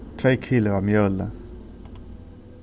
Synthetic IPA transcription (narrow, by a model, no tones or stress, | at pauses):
t̪ʰʁeːkʰɪləʁɑmjœlə̰